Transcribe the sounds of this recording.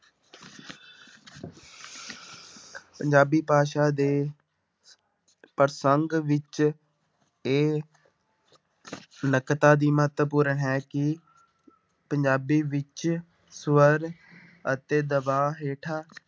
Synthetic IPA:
pəɲd͡ʒaːbiːpaːʃaːd̪eː | pəɾsəŋɡʋɪt͡ʃ | eː | nəkt̪aːd̪iːməɦət̪ʋəpuːɾəɳɦɛːkɪ | pəɲd͡ʒaːbiːʋɪt͡ʃ | sʋəɾ | ət̪eːd̪əbaːɦeːʈʰaː

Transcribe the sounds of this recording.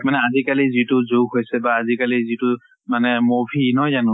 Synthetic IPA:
manɛazikalizitʊzuɡɦojsɛbaːzikalizitʊ | manɛmobʱinɔjzanʊ̃

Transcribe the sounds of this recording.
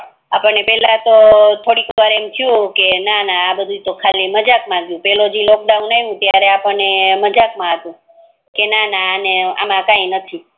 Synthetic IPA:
apəɳnepɛlat̪ot̪ʰoɽikʋaɾemt͡ʃʰjũkenanaːbəd̪ʱut̪okʰaliməd͡ʒakmãɡjũpɛlod͡ʒilok̚ɖaũnaiʋũt̪jaɾeapəɳneməd͡ʒakmãɦət̪ũ | kenanaːnea̰mãkainət̪ʰi

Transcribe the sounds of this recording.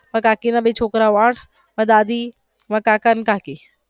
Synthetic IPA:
mɐ̃kaːkinabet͡ʃʰoːkɾaʋaːʈʰ | mɐ̃d̪aːd̪i | makaːkankaːki

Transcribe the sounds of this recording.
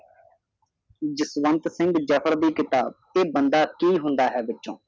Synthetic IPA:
d͡ʒɪsʋə̃nt̪sɪ̃ŋɡd͡ʒəpʰəɾd̪iːkɪt̪aːb̚teːbənd̪aːkiːɦʊ̃nd̪aːɦɛːbɪtːʃõ̰ː

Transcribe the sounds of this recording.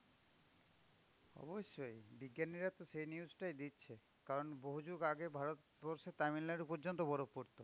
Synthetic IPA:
ɔ̰boʃːojbiɡːaniɾat̪oʃejniud͡ʑʈajd̪itːɕʰe | kaɾonboɦud͡ʑuɡaɡebʱaɾot̪ | bɔɾʃet̪aminlaɖupɔɾd͡ʑont̪̬obɔɾokpoɾt̪o

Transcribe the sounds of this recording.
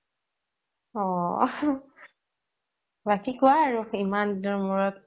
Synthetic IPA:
ɔ | batikʊaːɹuimanɔmɔɹɔt

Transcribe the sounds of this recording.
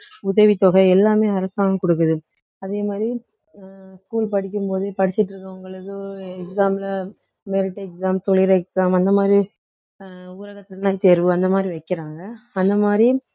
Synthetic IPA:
ʊðɐʋit̪ɔɣɐɪɛlːaːmeːɐɾɐsaːŋɐkɔɽɯk̬ːɐðɯ | ɐðeːmaːd̪ɾi | skuːlpɐɽɪk̬ʲːɯmpoːðɯpɐɽɪt͡ʃːɪʈːɾɯkːɐ̃ʊŋɡɐɭɐðɯɛksaːmlɐ | mɛɾɪʈːɛksaːmt̪ɔɭɪɾɐɛksaːmɐnd̪ɐmaːd̪ɾi | uːɾɐɣɐt̪ːnːaːɪt̪eːɾʋɯɐnd̪ɐmaːd̪ɾiʋɐɪkːɪɾaːŋɡɐɐnd̪ɐmaːdɾi

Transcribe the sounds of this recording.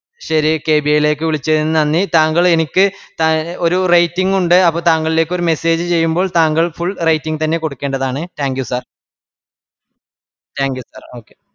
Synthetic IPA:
ɕɐɾike̞ːbijile̞ːk̬ːɨʋiɭit͡ɕːeɾinːɨnɐnːit̪aːŋɡɐɭe̞nikʲːɨt̪ao̞ɾurɐjtːiŋɡuɳɖɨɐpːoːt̪aːŋɡɐɭile̞ːkːo̞ɾume̞se̞ːd͡ʑɨt͡ɕe̞jːumbo̞ːɭt̪aːŋɡɐɭfuɭrɐjtːiŋɡt̪ɐnːe̞ko̞ɽukːe̞ːɳɖɐðaːɳɨt̪aːŋkjusɐːr | taːŋkjusaːro̞ːkːe

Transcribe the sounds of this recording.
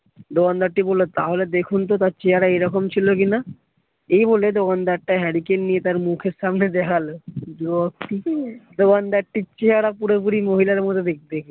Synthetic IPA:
d̪okand̪aʈʈːibolot̪aɦoled̪ekʰunt̪ot̪aɾt͡ɕeɦaɽaejɾɔkomt͡ɕʰilokina | ejboled̪okand̪aʈʈːaɦɛɾikennijet̪aɾmukʰeɾʃamned̪ɛkʰalod͡ʒɔk̚ʈid̪okand̪aʈʈːit͡ɕeɦaɽapuɽepuɽimoɦilaɾmot̪ʰod̪ek̚d̪ekʰe

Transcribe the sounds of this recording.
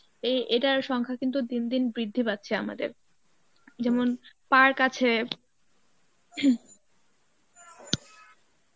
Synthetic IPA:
eʔeʈaɾʃɔŋkʰakint̪̬ud̪ind̪inbɾid̪ʱːipat̪ːɕʰea̰ma̰d̪ḛɾ | d͡ʑɛmonpaɾkat͡ɕʰe

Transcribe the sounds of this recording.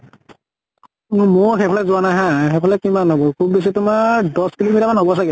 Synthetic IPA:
moɹxepʰɔlɛzʊanajɦãxepʰɔlɛkimanɦobɔkʰub̚ːes̬itʊmadɔskilomitamanɦobɔs̬aɡɛ

